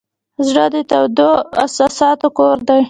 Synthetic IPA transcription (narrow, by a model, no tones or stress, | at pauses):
zɽəd̪ət̪awd̪oa̰sɑsɑt̪okoɾd̪aj